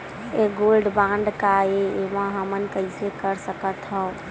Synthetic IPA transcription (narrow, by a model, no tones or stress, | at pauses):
eɡolɖbãɳɖkaeemãɦəmənkəɪsekəɾsəkət̪ɦəʊ